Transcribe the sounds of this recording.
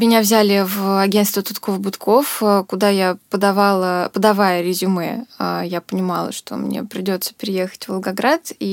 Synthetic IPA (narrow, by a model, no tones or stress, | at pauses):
mʲɪnʲavzʲælʲɪvɐɡʲe̞nt̪st̪vʲət̪ʊt̪ko̞fbʊt̪kʰo̞fkʊd̪ajapəd̪ɐvalˠəpəd̪ɐvajəɾʲɪzʲʊmɨajapənʲɪmɑ̰lˠə̰ʂt̪o̞̰mnʲḛpɾʲɪdʲo̞t̪sə̥pʲɾʲɪje̞xə̥tʲvəlˠɡɐɡɾat̪i